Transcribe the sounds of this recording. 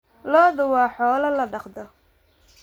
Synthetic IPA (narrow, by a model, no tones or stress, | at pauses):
lɔːðʊwɑːħɔːlɐlɐɖɑqd̪ɔ